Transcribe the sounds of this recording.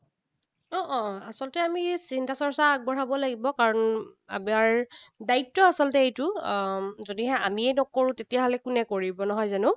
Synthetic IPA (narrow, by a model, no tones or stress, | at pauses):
ɔ̃ʔɔ̃asɔlɔtɛamisintasɔɹsaːɡ̚bɔɹabɔlaɡibɔkaɹɔna̰miaɹdaitːɔasɔlɔtɛejtʊ | zodiɦɛ̃amiɛnɔkoɹʊ̃tetijaɦɔlɛkʊnɛkoɹibɔnɔɦɔjzanʊ